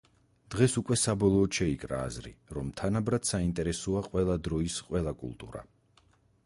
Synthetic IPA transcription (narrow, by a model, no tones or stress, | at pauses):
d̪̥ʁɛsukʼwɛsabɔlˠɔːt̪ʃɛikʼɾa̰ːzɾḭɾɔmt̪ʰanabɾad̪̥saint̪ʼɛɾɛsɔaqʼwɛlˠad̪ɾɔisqʼwɛlˠakʼṵlˠt̪ʼṵɾa̰